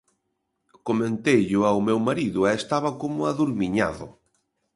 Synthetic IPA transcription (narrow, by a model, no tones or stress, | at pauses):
komẽnt̪ejʎʊawmewmaɾiðʊɛːst̪aβakomʊaðuɾmiɲa̰ðʊ̰